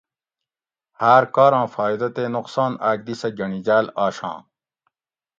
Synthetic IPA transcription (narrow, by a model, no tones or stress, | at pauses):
haːɾkaːɾɑ̃ːfaːjd̪ɐt̪eːnoqsãːnaːkd̪isɐɡɐɳid͡ʑaːlaːɕɑ̰̃ː